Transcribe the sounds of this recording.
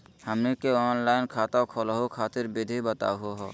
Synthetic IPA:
həmnikeɔːnlaːɪnkʰaːt̪akʰolɦukʰaːt̪ɪɾbɪd̪ʱibət̪a̰ːɦoɦɔ̰ː

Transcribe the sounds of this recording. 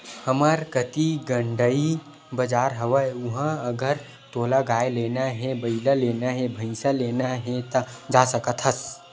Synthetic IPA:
həmaɾkət̪iɡə̃ɳɖəi | bəd͡ʒaːɾɦɐʋəʊɦãɐɡəɾ | t̪oːlaɡaːeleːnaɦɛ̃bəɪlaleːnaɦɛ̃bʱəɪsaleːnaɦɛ̃t̪ad͡ʒaːsəkət̪ɦəs

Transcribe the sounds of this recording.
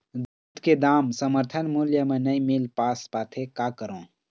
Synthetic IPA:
d̪uːt̪ked̪aːmsəməɾt̪ʰənmuljəmẽnəĩmilpaːspaːt̪ʰekakəɾõː

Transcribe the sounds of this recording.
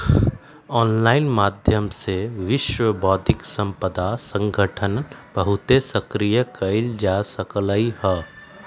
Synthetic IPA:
ɔːnlaːɪnmaːd̪ʱjəmseʋɪʃwəbɔːd̪ʱɪksɐ̃mpəd̪asə̃ŋɡʱəʈʰənb̥əɦʊt̪esɐkɾijəkɐɪld͡ʒasəkləiɦɛː

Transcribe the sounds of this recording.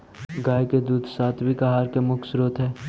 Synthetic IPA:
ɡaːjked̪uːd̪saːt̪ʰbʱikaɦaːɾkemʊksɾoːt̪ɦɛː

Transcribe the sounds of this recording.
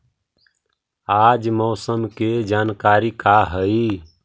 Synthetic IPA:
ad͡ʒmɔːsəmked͡ʒankaɾikaɦəi

